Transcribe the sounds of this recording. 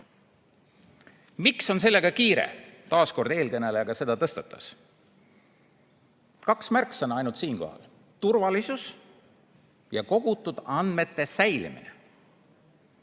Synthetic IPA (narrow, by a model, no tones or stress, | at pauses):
mikso̞ns̬e̞lːe̞ɡ̥ɑkiːɾe̞̰t̪ɑːsko̞rd̪̥e̞ːlkɤne̞leɑɡ̥ɑse̞d̪̥ɑt̪ɤst̪ɑt̪ːˑɑ̥s | kɑksmærksɑnɑjnult̪siːnko̞̰hɑ̰l | t̪urvɑlisus | jɑko̞ɡ̥ut̪ːˑud̪̥ɑnd̪̥me̞t̪ːe̞sæjlḭmḭnḛ